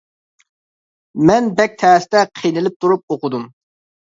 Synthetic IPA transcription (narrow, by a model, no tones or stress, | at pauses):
mɛnbɛk̚ʲt̪ʰæːst̪ɛqʰijnɪlɪp̚t̪ʰuɾup̚oqʊd̪um